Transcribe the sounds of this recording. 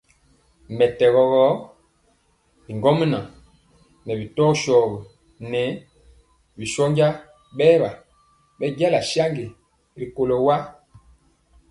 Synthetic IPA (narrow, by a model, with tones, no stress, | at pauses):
mɛ˨tɛ˨ɣɔ˨ɣɔ˦ | bi˨ŋɡɔ˦m˦na˨ | nɛ˨bi˨tɔ˦ʃɔː˨ɣi˨ | nɛ˨˦ | bi˨ʃɔ˦ɲɟa˦ | ɓɛː˦ba˨ | ɓɛ˦ɟa˦la˨ʃja˦ŋɡe˨ | ɾi˨ko˨lo˨wa˦